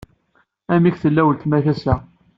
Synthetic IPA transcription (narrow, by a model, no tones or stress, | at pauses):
æmiçθəlːæwəlt̪mæθæsæ